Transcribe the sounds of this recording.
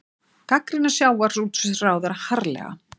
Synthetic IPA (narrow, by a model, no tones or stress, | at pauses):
kakɾɪnːasjaːwaɾ̥r̥ut̪sʏθraːwðaɾhaɾlɛ̰ɣa̰